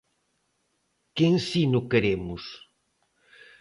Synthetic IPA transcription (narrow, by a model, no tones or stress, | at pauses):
kensinʊkeɾemʊs